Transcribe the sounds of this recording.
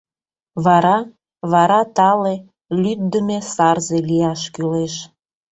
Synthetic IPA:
βɑɾɑ | βɑɾɑt̪ɑle | lyd̪̚d̪əmesɑrzelijɑʃkyleʃ

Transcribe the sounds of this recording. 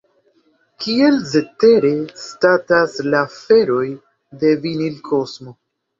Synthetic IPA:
kʰie̞lze̞te̞ɾe̞stataslafe̞ɾo̞j | de̞vinilkʰo̞smo̞

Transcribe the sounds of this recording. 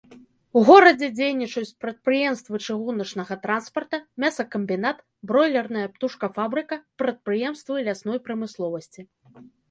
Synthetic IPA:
wɣɔɾɐd͡zʲɛd͡zʲejnʲit͡ʂut͡sʲpɾɐt̪̚pɾɨjɛmst̪vɨt͡ʂɨɣunɐt͡ʂnɐɣɐt̪ɾanspɐrt̪ɐmʲasɐkɐmʲbʲin̪at̪ | bɾɔjlʲɛrnɨjɐpt̪uʂkɐfabɾɨkɐpɾɐt̪̚pɾɨjɛmst̪vɨjlʲasnɔjpɾɐmɨslˠɔvɐsʲt͡sʲi

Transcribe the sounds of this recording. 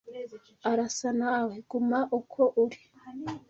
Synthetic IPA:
aɾasanaweɡ̥umaʔukʰoʔuɾi̥

